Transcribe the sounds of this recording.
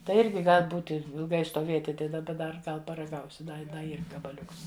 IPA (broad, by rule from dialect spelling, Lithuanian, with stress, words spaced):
tɐɪ ˈɪrʲɡʲɪ ˈɡɐlʲ ˈbuːtʲɪ ɪlˠˈɡɐɪ stoːˈʋʲeːtʲɪ ˈtɐɪ dɐˈbɐ dɐr ˈɡɐlˠ pɐrɐˈɡɐʊsʲɪ ˈdɐ dɐ ˈiːr ɡɐbɐˈlʲʊks